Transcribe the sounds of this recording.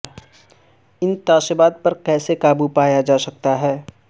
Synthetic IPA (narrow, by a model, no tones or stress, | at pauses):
ɪnt̪aːʃəbaːd̪̚pɐɾkɛːsekaːbupaːjad͡ʒaːsɐk̚t̪aɦɛː